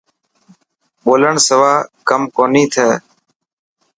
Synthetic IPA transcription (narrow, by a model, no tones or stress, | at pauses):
ɓoːləɳsəʋaːkəmkoːnĩːt̪ʰəː